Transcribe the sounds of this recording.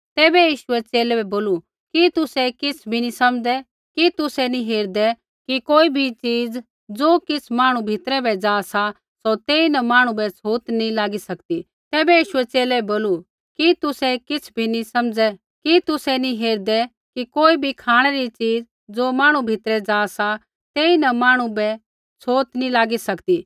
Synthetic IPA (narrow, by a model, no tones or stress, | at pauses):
t̪ɛːbɛjiːʃʊɛt͡ʃeːlɛbɛboːlu | kit̪ʊsɛkɪt͡sʰbʱinisɐmd͡zɛ | kit̪ʊsɛnĩɦeːɾd̪ɛ | kikoːibʱit͡ʃiːd͡z | d͡zoːkɪt͡sʰmaːɽ̃ubʱɪt̪ɾɛbɛd͡zaːsa | sot̪eːinɐmaːɽ̃ũbɛsʰoːt̪nĩlaːɡisɐkt̪i | t̪ɛːbɛjiːʃʊɛt͡ʃeːlɛboːlu | kit̪ʊsɛkɪt͡sʰbʱinĩsɐmd͡zɛ | kit̪ʊsɛnĩɦeːɾd̪ɛ | kikoːibʱikʰaːɽ̃ɛɾit͡ʃiːd͡z | d͡zoːmaːɽ̃ubʱɪt̪ɾɛd͡zaːsa | t̪eːinɐmaːɽ̃ubɛ | t͡sʰoːt̪nĩlaːɡisɐkt̪iː